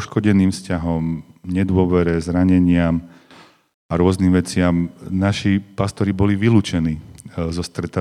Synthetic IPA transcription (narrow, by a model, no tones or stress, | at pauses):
ʃkɔɟɛniːmfscaɦɔmɲɛd̪ʊɔʋɛɾɛzɾaɲɛɲɪam | aɾʊɔzniːmʋɛt͡sɪamnaʃipast̪ɔɾibɔliʋiluːt͡ʃɛniːzɔst̪ɾɛt̪a